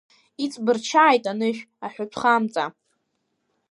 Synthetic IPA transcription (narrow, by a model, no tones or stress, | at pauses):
it͡sʼbɨrt͡ʃʰaːjtʼanɨʃᶣ | aħʷᶣʊpʷʰχamt͡sʼa